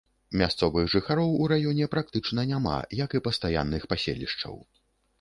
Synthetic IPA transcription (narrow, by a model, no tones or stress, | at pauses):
mʲast̪sɔvɨɣʐɨxaɾɔwuɾajɔnʲɛpɾak̚t̪ɨt͡ʂnɐnʲama̰jɐkipɐst̪aja̰nːɨxpasʲḛlʲḭʂt͡ʂɐ̰w